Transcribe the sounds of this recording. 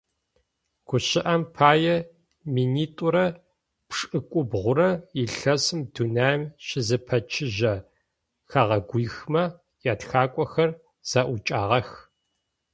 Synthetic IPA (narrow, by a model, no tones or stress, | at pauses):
ɡ̥ʷʊɕɪʔɐmpʰaːjɛ | miːniːtʼʊɾɐ | pʂʼɨkʷʼʊbʁʷʊɾɐiɬɐsɨmdunaːmɕɪzɨpʰɐt͡ʃʰɪʒɐ | xaːʁɐɡʷiːxmɐ | jaːtxaːkʷʼɔxɐr | z̥aːʔʷʊt͡ʃʼaːʁɐx